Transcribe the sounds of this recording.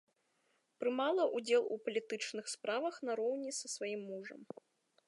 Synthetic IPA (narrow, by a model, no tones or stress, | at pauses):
pɾɨmalˠɐʔud͡zʲɛlˠṵpɐlʲit̪ɨt͡ʂnɨxspɾavɐxn̪ɐɾɔwnʲisɐsvajimːuʐɐ̰m